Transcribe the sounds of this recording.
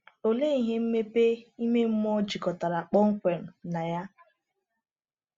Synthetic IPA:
o˨le˦i˦ɦe˦m̩˦me˦pe˦i˦me˦m̩˦m˦ɔ˦d͡ʒi˨kɔ˨ta˨ɾa˨k͡pɔ˦ŋ̩˦kʷe˨m̩˨na˨ja˦

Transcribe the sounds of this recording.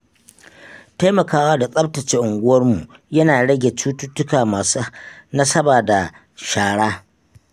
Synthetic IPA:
ta˦jmɐ˨kaː˦waː˦da˨sʼɐ˦b̚tɐ˨t͡ʃe˦ʔʊ˨ŋɡʷʊ˦wɐ˦rmu˨jɐ˦naː˨ɽɐ˦ɡʲe˨t͡ʃuː˦tʊ˦tʊ˦kaː˨maː˨su˦na˦sɐ˦baː˨da˨ | ʃaː˨ɽaː˦

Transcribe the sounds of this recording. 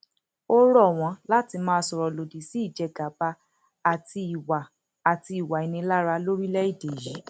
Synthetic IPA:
o˦ɾɔ˦˨w̃ɔ̃˧˦la˦ti˧˦mãː˦˧sɔ˨ɾɔ˨lo˨di˨˦si˦i˦˨d͡ʒɛ˧ɡa˨˦ba˧ | a˨ti˧i˨wa˨ | a˨ti˧i˨wa˨i˨nĩ˧la˦ɾa˧˦lo˦ɾi˦lɛ˦i˦˨de˨ji˨˦

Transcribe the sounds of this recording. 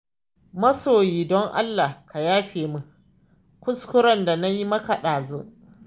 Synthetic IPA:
mɐ˦soː˨jiː˨dɔ˦ŋʔa̰˦lːa˨ka˨jaː˦ɸeː˨mu˦ | kʷʊ˦skʷʊ˦ɾɐ˦nda˨na˦ji˦mɐ˦ka˨ɗaː˨zu˦

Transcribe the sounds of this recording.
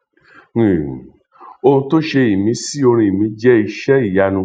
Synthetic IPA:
o˧ũ˧to˦ʃe˧i˨mĩ˨˦si˦o˧ɾ̃ĩ˧i˨mĩ˨˧˦d͡ʒɛ˦i˧ʃɛ˦i˦˨ja˧nũ˧˦

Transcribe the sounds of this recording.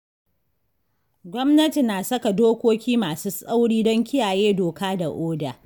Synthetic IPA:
ɡʷɔ˦mnɐ˦ti˨naː˨sɐ˦ka˨doː˦kʷoː˦kʲiː˦maː˨suː˦sʼa˦wɽiː˦dɔ˦ŋkʲɪ˦jaː˨jeː˦doː˨kaː˦da˨ʔoː˦da̰ː˨

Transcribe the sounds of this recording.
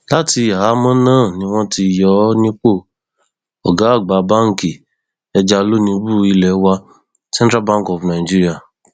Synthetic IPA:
la˦ti˧a˨ɦa˨˦mɔ̃˦nãː˦˨nĩ˧w̃ɔ̃˧ti˧jɔ˨˦nĩ˦k͡po˦˨ | ɔ˨ɡa˨˦˨ɡ͡ba˨˦ba˦ŋ̩˨ki˨ | ɛ˧d͡ʒa˧lo˦nĩ˧˦bu˦i˧lɛ˨˦wa˧ | sɛ̃˦n˦tɾa˦bã˦ŋ˨kɔ˨fna˨d͡ʒi˦ɾi˦a˦˨

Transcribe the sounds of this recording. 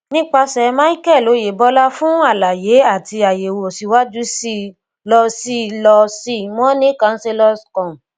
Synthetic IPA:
nĩ˦k͡pa˧sɛ˧mã˦i˦kɛ˦˨lo˨˦je˨bɔ˨˦la˦fũ˦a˦˨la˨je˨˦a˦˨ti˧a˨je˨wo˨o˨si˨˧wa˦d͡ʒu˦si˦ | lɔ˧si˦lɔ˧si˦mɔ̃˦nĩ˦kã˧n̩˦se˧lɔ˦skɔ̃˨

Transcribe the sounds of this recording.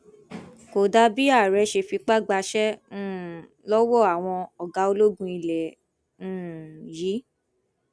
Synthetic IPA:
ko˨da˧bi˦a˦˨ɾɛ˨˧˦ʃe˧fi˧k͡pa˦ɡ͡ba˧ʃɛ̃˦˨ | lɔ˦wɔ˦˨a˨w̃ɔ̃˧ɔ˨ɡa˨˦o˧lo˦ɡũ˦i˧lɛ̃˨˦ | jiː˨˦

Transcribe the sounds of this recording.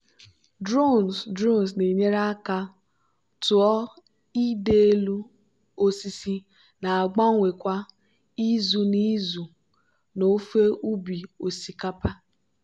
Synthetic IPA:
dɾo˦˨nsdɾo˦ns̬ne˨ɲe˦ɾa˦ka˦ | tʊ˨ɔ˦ | i˦de˦e˦lu˦ | o˦si˦si˦ | na˨a˨ɡ͡ba˦ŋʷe˨kʷa˦ | i˦zu˨ni˦zu˨ | no˨˦fe˦ʔu˦bi˨o˨si˨ka˦pa˦

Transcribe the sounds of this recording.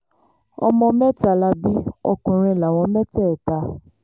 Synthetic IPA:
ɔ̰˧mɔ̃˧mɛ˦ta˧˨la˧bi˦ɔ̰˧kũ˨ɾ̃ĩ˧˨la˨w̃ɔ̃˧mɛ˦tɛ˦˨ta˨˦

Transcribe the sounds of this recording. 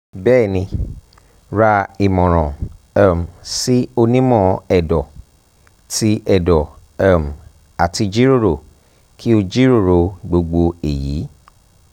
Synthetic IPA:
bɛː˦˨nĩ˧ | ɾa˧i˨mɔ̃˨ɾ̃ɔ̃˨ | a˦˨m˨si˦o˧nĩ˦mɔ̃˦˨ɛ˨dɔ˨ | ti˦ʔɛ˨dɔ˨˦˨ | m̩˨ | a˨ti˧d͡ʒi˦ɾo˦˨ɾo˨ | kʰi˦o˧d͡ʒi˦ɾo˦˨ɾo˨˧ɡ͡bo˧ɡ͡bo˧e˨jḭ˨˦

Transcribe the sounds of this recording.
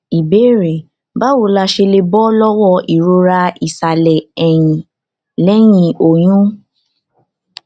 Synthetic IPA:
i˨be˨˦ɾe˨ | ba˦wo˧la˧ʃe˧le˧bɔ˦lɔ˦wɔ˦˧˨i˨ɾo˧ɾa˧i˨sa˨lɛ˨ɛ˨j̃ĩ˨ | lɛ˦j̃ĩ˧o˨j̃ũ˦

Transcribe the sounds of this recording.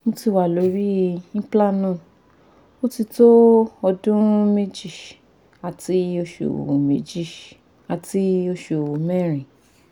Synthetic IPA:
mõ˦ti˧˨wa˨lo˨˧˦ɾi˦nĩ˦pla˦˨nũ˦˨ | o˦ti˧to˦ɔ˧dũ˦me˦d͡ʒi˦˨ | a˨ti˧˦o˦ʃo̰˨me˨d͡ʒi˦˨ | a˨ti˧˦o˧ʃo˨mɛ˦˨ɾ̃ĩ˨

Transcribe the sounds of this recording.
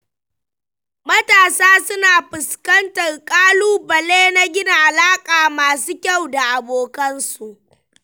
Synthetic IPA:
mɐ˦taː˨saː˦sʊ˦naː˨ɸɪ˨skɐ˦ntɐ˨rkʼaː˦luː˦bɐ˨leː˦na˦ɡʲɪ˦na˨ʔa˨laː˦kʼaː˨maː˨suː˦kʲa˦˨wda˨ʔa˨boː˨kɐ˦nsu˨ʔ

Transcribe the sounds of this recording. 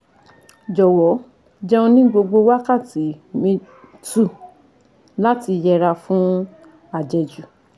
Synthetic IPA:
d͡ʒɔ˨wɔ˨˦ | d͡ʒɛ̃˧õ˧nĩ˦ɡ͡bo˧ɡ͡bo˧wa˦ka˦˨ti˨˦mĩ˧ | tu˦˨ | la˦ti˧jɛ˧ɾa˧fũ˦ | a˦˨d͡ʒɛ˧d͡ʒu˨

